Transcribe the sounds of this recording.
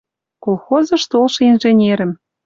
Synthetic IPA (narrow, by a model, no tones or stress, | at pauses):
kolˠxozɤ̆ʃt̪olʃɤ̆inʒenʲeɾə̆m